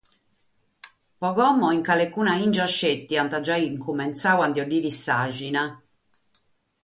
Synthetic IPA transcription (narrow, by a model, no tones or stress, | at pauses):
pɔɣɔmːɔiŋkalekːuːnaind͡ʒaʃːet̪ːiant̪ad͡ʒaiŋkumɛnt̪saːwand̪jɔɖiːɾisaʒina